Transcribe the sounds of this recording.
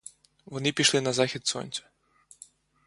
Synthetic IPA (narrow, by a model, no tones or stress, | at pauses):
ʋɔnɪpʲiʃlˠɪnɐzaxʲit̪sɔ̰nʲt͡s̪ʲɐ̥